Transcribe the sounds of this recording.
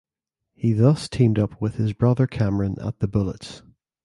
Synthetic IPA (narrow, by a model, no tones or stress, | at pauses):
hiðʌstʰĩmdʌpʰwɪð̥ɪzbɹʌðə˞kʰaməɹə̃nə̰t̪̚ðəbʊlˠə̰ts